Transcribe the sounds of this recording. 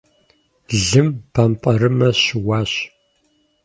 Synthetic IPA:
ɮɨmpʰampʼɐɾɨmɐɕɪwaːɕ

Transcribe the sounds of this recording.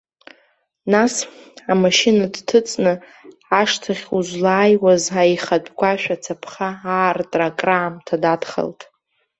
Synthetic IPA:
nasamaʃinadtʰɨt͡sʼnɨ | aʂtʰaχʲuʒʷlaːjwazaiχadʼɡʷaʃᶣat͡sʰapʰχaaːrtʼrakʼraːmtʰadadχa̰ltʼ

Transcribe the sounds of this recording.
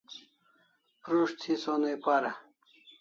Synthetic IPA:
pɾuʂt̪ʰisonejpaɾɐ

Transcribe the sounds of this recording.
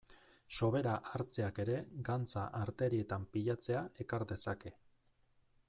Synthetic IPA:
so̞βe̞ɾaʔaɾt͡se̞ake̞ɾe̞ɡant͡sa̰ʔaɾt̪e̞ɾie̞t̪ampiʎat͡se̞ae̞kaɾd̪e̞sake̞

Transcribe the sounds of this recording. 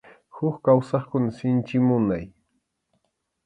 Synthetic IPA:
xʊkkawsɑχkʊnasɪnt͡ʃɪmʊnaj

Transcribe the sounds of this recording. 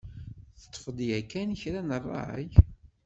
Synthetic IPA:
θə̥t̪ˤːfəd̪jækːænçɾænərˤːɑ̰ʕə̰j

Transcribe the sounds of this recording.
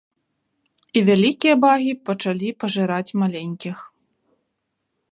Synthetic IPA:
ivʲalʲikʲijɐbaɣʲipɐt͡ʂalʲipɐʐɨɾat͡sʲmalʲenʲkʲix

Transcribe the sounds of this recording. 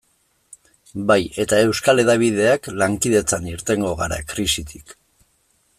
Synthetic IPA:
baje̞t̪ae̞wskale̞ðaβ̞ið̞e̞aklaŋkið̞e̞t͡saniɾt̪e̞ŋɡo̞ɣaɾa̰kɾisit̪ʰi̥k

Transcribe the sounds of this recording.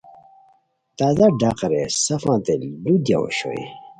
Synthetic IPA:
t̪aːzaɖaːqɐɾesɐfãːt̪elud̪ja̰o̰ɕo̰ḛ

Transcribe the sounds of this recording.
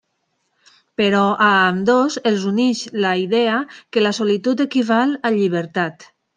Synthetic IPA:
peɾɔʔaːmd̪ozelzuniʃlaiðɛakelasolit̪ut̪ekiβalaʎiβ̞eɾt̪at̪

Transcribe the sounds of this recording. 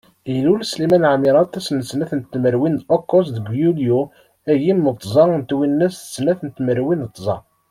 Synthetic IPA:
ilulslimænʕamiɾˤɑt̪ːɑsnəsnæθənt̪ːməɾwind̪okːos̬ðəɡjulju | æʝimːət̪ˤːzˤɑənt̪winːæsθə̥snæθənt̪ːməɾwinət̪ˤːzˤɑ̰

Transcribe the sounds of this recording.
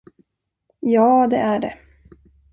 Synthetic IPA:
jɑːd̪ɛʔæɖɛ̰

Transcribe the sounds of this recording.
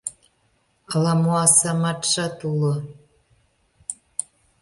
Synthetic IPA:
ɑlɑmoɑsɑmɑt̪ʃɑt̪ulo

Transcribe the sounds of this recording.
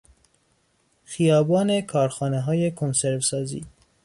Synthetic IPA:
xijɒːbɒːne̞kʰɒːɾxɒːneɦɒːjekʰonseɾvsɒːzḭː

